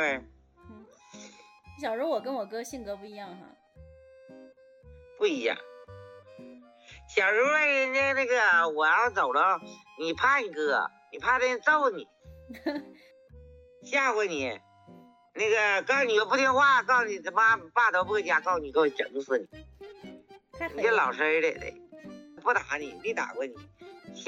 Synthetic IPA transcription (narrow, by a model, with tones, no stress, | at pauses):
t̪we˥˩ɪ˥˩ | ɕjɑ˨˩ʊʂu˧˥wɔ˨˩kə˥nwɔ˨˩kɤ˥ɕi˥˩ŋkɤ˧˥pu˥˩i˧˥jɑ˥˩ŋxa̰˧˩ | pu˥˩i˧˥jɑ̰˥˩ŋ | ɕjɑ˨˩ʊɻu˧˥we˥˩ɪna˥˧na˥˩ɡə˩wɔ˨˩jɑ˥˩ʊt͡so˨˩ʊlə˦ni˨˩pʰa˥˩i˧˩kɤ̰˧˨˩ni˨˩pʰa˥˧t̪ə˥˩˧t͡so˥˧ʊ˧nḭ˨˩˦ | ɕja˥˩kwe˧˥ɪni˨˩˦ | na˥˩ɡə˨kɑ˥˩ʊni˨˩o˧˩p̬u˥˧t̪ʰi˥ŋxwa˥˩˧kɑ˥˩ʊni˨˩˧ma˥pa˥˩t̪o˧˥ʊpt͡ɕja˥˩kɑ˥˩ʊni˨˩ko˧˩˧ʈ͡ʂə˨˧˩ŋsɹ̩˧˩ni˨˩˦ | ni˨˩˥lɑ˨˩ʊʂɻ̩˧˥e˧˥le˨˩ɪd̪ḛ˧˩ɪpu˥˩t̪a˧˥ni˨˩˦pi˥˩t̪a̰˨˩kwe˧˥ɪnḭ˨˩˦ɕ